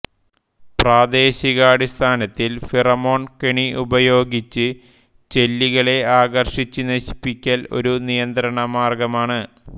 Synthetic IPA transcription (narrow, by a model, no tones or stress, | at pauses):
praːd̪e̞ːɕiɣaːɽist̪ʰaːnɐt̪ːilfirɐmo̞ːɳkeɳiubɐjo̞ːɡit͡ɕːɨ | t͡ɕe̞lːiɣɐɭe̞aːɣɐrʂit͡ɕːɨnɐɕi̥pːikʲːɐlo̞̰ɾunijɐnd̪ɾɐɳɐmaːrɡɐmaːɳɨ